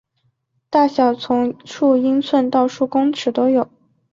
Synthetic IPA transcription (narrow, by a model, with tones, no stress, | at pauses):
t̪a˥˩ɕjɑ˨˩ʊt͡sʰʊ˧˥ŋʈ͡ʂʰu˥˩i˥ŋt͡sʰwə˥˧nt̪ɑ˥˧ʊʂu˥˩kʊ˥ŋʈ͡ʂʰɻ̩˨˧˥t̪o˥ʊjo˨˩˦ʊ